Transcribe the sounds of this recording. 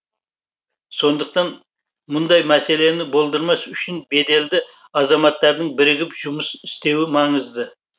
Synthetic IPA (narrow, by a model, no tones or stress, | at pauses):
so̞nd̪əqt̪ɑn | mʊnd̪ɑjmæse̞le̞nɪbo̞lˠd̪əɾmɑsʏʃɪnbe̞d̪e̞ld̪ɪ | ɑzɑmɑt̪ːɑɾd̪əɴbɪɾɪɡʲɪpʒ̥ʊməsɪst̪e̞wɪmɑɴəzd̪ə